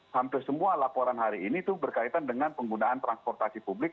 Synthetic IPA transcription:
hampɪrsəmualapɔɾanɦaɾiːnit̪ʊhbərkait̪andəŋanpəŋɡunaːnt̪ɾanspɔrt̪asipublɪk̚

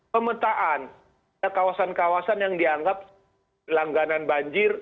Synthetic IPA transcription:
pəmət̪aʔan | akawasankawasanjaŋdiaŋɡap̚ | laŋɡananbaɲd͡ʒɪr

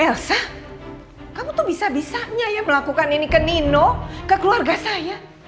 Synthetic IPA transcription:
ɛlsa | kamut̪ubisabisaɲajaməlakukaninikəninokəkəluarɡasaja

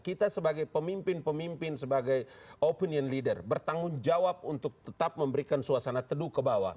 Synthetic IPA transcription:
kit̪asəbaɡajpəmimpɪnpəmimpɪnsəbaɡajopiniənlidərbərt̪aŋʊnd͡ʒawap̚unt̪ʊk̚t̪ət̪ap̚məmbəɾikansuasanat̪ədukəbawa̰

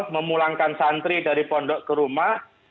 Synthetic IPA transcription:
məmulaŋkansant̪ɾidaɾipɔɳɖɔʔkəɾumah

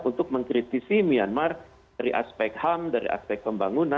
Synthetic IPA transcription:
unt̪ʊk̚məŋkɾit̪isimianmar | daɾiʔa̰spɛk̚t̪hamdaɾḭʔa̰spɛk̪̚pəmbaŋuna

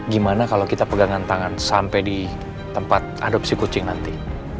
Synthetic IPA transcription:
ɡimanakalowkit̪apəɡaŋant̪aŋansampɛjdi | t̪əmpat̪̚a̰dop̚sikut͡ʃɪŋnant̪i

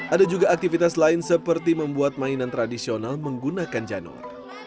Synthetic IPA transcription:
ʔadad͡ʒuɡaːk̚t̪ifit̪aslaɪnsəpərt̪iməmbuat̪̚mainant̪ɾadisionalməŋɡunakand͡ʒanɔ̰r

